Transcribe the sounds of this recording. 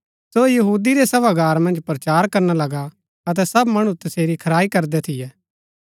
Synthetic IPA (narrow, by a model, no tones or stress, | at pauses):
sojɐɦuːd̪iɾesɐbaɡaːɾmɐ̃nd͡ʒpɾɐt͡ʃaːɾkɐɾnalɐɡa | ɐt̪̬ɛsɐbmɐɽ̃ũt̪ɐseːɾikʰɐɾaːikɐɾd̪ɛt̪ʰɪjɛː